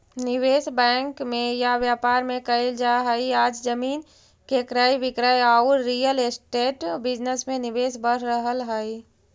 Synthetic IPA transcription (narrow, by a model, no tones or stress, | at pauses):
nɪʋeːsbɛ̃ːŋkmẽjaʋjaːpaːɾmẽkəeld͡ʒaɦəiaːd͡ʒd͡ʒəmiːn | kekɾaːjʋɪkɾaːjaːʊɾːiːjəlesʈeːʈbɪd͡ʒnəsmẽnɪʋeːsbəɾ̤ɾəɦəlɦəi